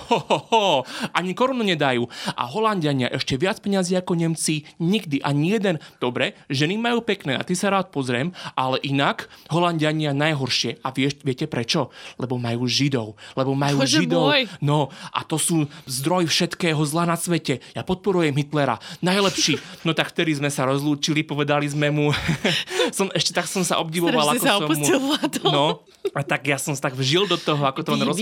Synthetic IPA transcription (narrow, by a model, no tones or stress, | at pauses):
ʔaɲikɔɾɔnuɲɛd̪ajuːʔa̰ɦɔlanɟaɲɪa̰ʔɛʃcɛʋɪat͡spɛɲaziːakɔɲɛmt͡siɲiɡd̪iʔaɲijɛd̪ɛnd̪̥ɔbɾɛʒɛnimːajuːpɛknɛːa̰t̪isaɾaːt̪̚pɔzɾɪɛmʔalɛʔinakɦɔlanɟaɲɪanajɦɔɾʃɪɛʔaʋɪɛʋɪɛcɛpɾɛt͡ʃɔlɛbɔmajuːʒid̪ɔ̰ʊlɛbɔmajuːʒib̪ɔjnɔʔa̰t̪ɔsuːzd̪ɾɔjifʃɛt̪kɛːɦɔzlanasʋɛcɛjapɔt̪̚pɔɾujɛmɦit̪lɛɾa̰najlɛpʃiːnɔt̪akft̪ɛd̪izmɛsaɾɔzluːt͡ʃilipɔʋɛd̪alizmɛmu | sɔmɛʃcɛt̪aksɔmsa̰ʔɔb̚ɟiʋɔʋalˠakɔɔɔmːulat̪nɔ | t̪aɡjasɔmst̪aɡvʒild̪ɔt̪ɔɦɔakɔt̪ɔnɾɔ